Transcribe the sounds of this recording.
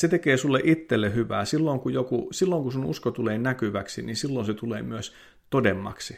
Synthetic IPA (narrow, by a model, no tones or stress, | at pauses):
set̪ekeːsulːeʔit̪ːelːehyʋæ̰ːsilːoŋkujokusilːoŋkusunṵskot̪uleːnækyʋæksininsilːonset̪uleːmyøs | t̪odemːɑ̰ksi